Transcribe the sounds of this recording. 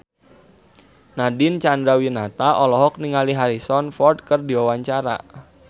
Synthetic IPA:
nadɪnt͡ʃand̪ɾawinat̪aʔɔlɔɦɔk̚niŋaliɦaɾisɔnfɔrd̚kərdiwawaɲt͡ʃaɾa̰

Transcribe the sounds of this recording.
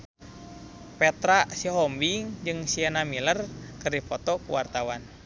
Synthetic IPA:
pɛt̪ɾasiɦɔmbiŋd͡ʒɨŋsianamilərkɨrdipɔt̪ɔkuwa̰rt̪awan

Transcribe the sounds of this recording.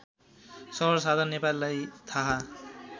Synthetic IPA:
sɔbɔɹsad̪ʱanepallajt̪ʰaɦa

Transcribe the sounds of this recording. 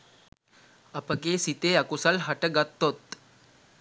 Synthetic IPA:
ɐpɐɡeːsit̪eːɐkusɐlɦɐʈɐɡɐt̪ːot̪

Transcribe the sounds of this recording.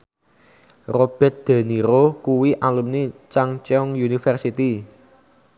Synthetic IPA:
rob̥ɛ̤t̪̚d̪̥a̤niɾokuwiʔalumnit͡ʃaŋt͡ʃɛɔŋjunifərsit̪i

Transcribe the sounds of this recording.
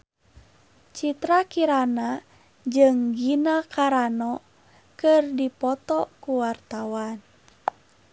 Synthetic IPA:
t͡ʃit̪ɾakiɾana | d͡ʒɨŋɡinakaɾanɔ | kɨrdipɔt̪ɔkuwart̪awan

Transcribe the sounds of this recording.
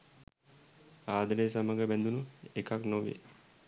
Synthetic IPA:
aːd̪ənes̬aməɡəbɛnd̪unuekaknoʋḛ

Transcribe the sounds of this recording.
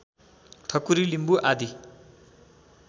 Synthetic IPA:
t̪ʰʌkuɾilimbuʔad̪ʱi

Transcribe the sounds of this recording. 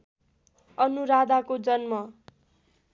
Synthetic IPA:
ʌnuɾad̪ʱakod͡zʌnmʌ

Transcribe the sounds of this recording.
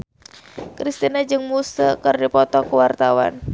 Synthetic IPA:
kɾist̪inad͡ʒɨŋmusəkɨrdipɔt̪ɔkuwart̪awa̰n

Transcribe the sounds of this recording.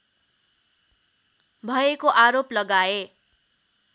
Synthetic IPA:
bʱʌekoʔaɾoplʌɡae

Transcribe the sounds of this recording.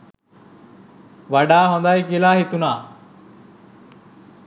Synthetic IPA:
ʋaɖaːɦõnd̪ajkelaːɦit̪unaː

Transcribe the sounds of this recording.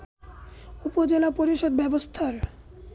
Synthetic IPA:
upod͡ʑelapoɾiʃod̪̚bɛbost̪ʰaɾ

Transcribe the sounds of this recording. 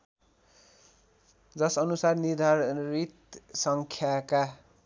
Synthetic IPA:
d͡zʌsʌnusarnird̪ʱarit̪sʌŋkʰjaka

